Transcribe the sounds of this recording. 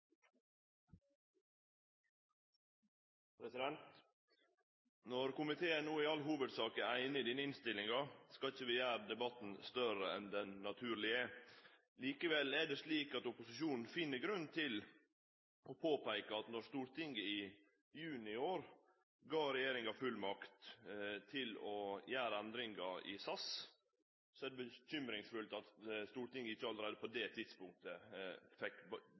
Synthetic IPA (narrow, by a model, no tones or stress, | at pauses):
pʰɾɛsɪd̪ɛnt̪ | nɔɾkʊmɪt̪ʰeːəænuːɪɑlɦuːʋəd̪sɑːkəæɪnəd̪iːnəɪnst̪ɪlɪŋɑskɑlɪçəʋɪjæːɾd̪ɛbɑt̪n̩st̪œɾəɛ̰nd̪ɛnːɑt̪ʰʉːɾɭɪə | liːkəʋɛlæɖesliːkɑt̪ʊpʊsɪʃuːnn̩fɪnːəɡɾʉnt̪ʰɪl | ʔɔpʰoːpæɪkɑɑt̪nɔɾst̪uːɾt̪ʰɪŋːəɪ | jʉːnɪoːɾ | ɡɑːɾɛjeːɾɪŋɑfʉlmɑkt̪t̪ʰɪlɔjæːɾəɛnd̪ɾɪŋɡɑɪ̰sɑs | sɔæd̪ɛbəçʏmɾɪŋsfʉlt̪ɑt̪st̪uːɾt̪ɪŋɡəɪçːəɑləɾæɪd̪əpɔd̪ɛt̪ʰɪd̪̥spʊŋk̚t̪əfɛkː